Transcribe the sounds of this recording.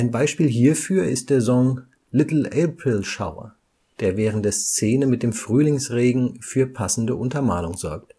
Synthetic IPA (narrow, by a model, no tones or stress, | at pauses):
ʔaɪnbaɪʃpiːlɦiːɐfyːɐɪ̰st̚d̥eːɐzɔŋ | lɪtl̩eːpʁɪlʃa̰ʊɐ̰ | d̥eːɐvɛːʁən̩td̥eːɐst͡seːnəmɪt̚d̥eːmfʁ̥yːlɪŋsʁeːɡŋ̩fyːɐpʰasn̩dəʔʊntɐmaːlʊŋzɔɐk̚t